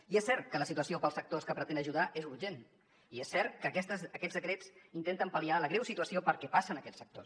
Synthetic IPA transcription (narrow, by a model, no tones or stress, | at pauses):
iesːɛɾt̪̚kələsit̪uəsiopəlˠsək̚t̪oskəpɾət̪end̪əʒuðaʔezuɾʒen | iesːɛɾt̪̚kəkɛst̪əəkɛd͡zdəkɾet͡sint̪ent̪əmpəlialəɣɾɛwsit̪uəsiopəɾkɛpasənəkɛt͡ssək̚t̪os